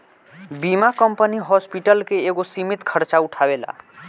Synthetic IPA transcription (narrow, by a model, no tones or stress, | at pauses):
bimakəmpəniɦɔspiʈəlkeːɡosimit̪kʰəɾt͡ʃauʈʰabela̰